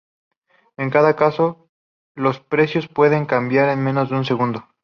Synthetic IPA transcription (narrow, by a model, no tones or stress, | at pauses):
e̞ŋkaðakaso̞ | lo̞spɾe̞sjo̞spwe̞ðe̞ŋkambjaɾe̞nmẽ̞no̞zðeunse̞ɣund̪o̞